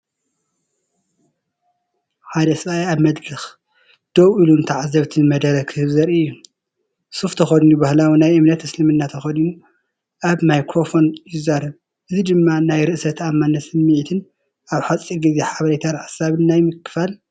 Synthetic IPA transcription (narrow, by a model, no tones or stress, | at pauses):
ħad̪ɐsɐβajaβmɐd̪ɾɨx | d̪̥owʔilunt̪ʰaʕazːɐβt̪ʰɨnmɐd̪ɐɾɐkʰɨhɨβzɐɾɨjːu | suft̪ʰɐxɐdinubahlawinajʔɨmnɐt̪ːɨslɨmɨnːat̪ʰɐxɐdinu | ʔaβmajkɾo̞fo̞njɪzaɾɐβ | ʔɨzid̪ɨmːanajɾɨʔsɐt̪amːanːɐt̪sɨmːiʕit̪ʰɨn | ʔaβħat͡sʼːiɡizeħaβɐlet̪ʰanħasaβɨnːajmɨkːɨ̥fal